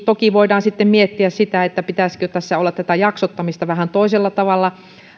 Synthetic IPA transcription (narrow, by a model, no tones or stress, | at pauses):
t̪okiʋoidɑːnsit̪ːemmiet̪ːiæssit̪æet̪ːæpit̪æskøt̪æsːæolːɑt̪t̪æt̪æjɑksot̪ːɑmist̪ɑʋæhænt̪oˑiselːɑt̪ɑʋɑlːɑ